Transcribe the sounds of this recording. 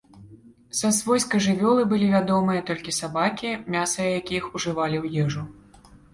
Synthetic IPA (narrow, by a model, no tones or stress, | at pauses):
sɐsvɔjskɐʐɨvʲɔlˠɨbɨlʲivʲad̪ɔmɨjɐt̪ɔlʲkʲisabakʲimʲasɐjɐjakʲijixuʐɨvalʲiwjɛʐu